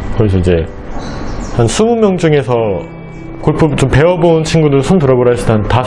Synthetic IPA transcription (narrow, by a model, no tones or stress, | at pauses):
kɯɡis̬ʰʌid͡ʑe̞ | hansʰumumjʌŋd͡ʑuŋe̞sʰʌ | koɭpʰut͡ɕompe̞wʌbont͡ɕʰinɡudɯɭsʰontɯɾʌboɾaɕʰidɦanta